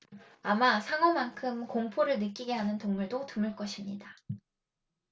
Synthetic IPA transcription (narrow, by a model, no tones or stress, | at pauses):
amasʰaŋʌmːaŋkʰɯmkoŋpʰoɾɯɭnɯk͈iɡe̞ɦanɯntoŋmuɭdotumɯɭk͈ʌɕʰimɲida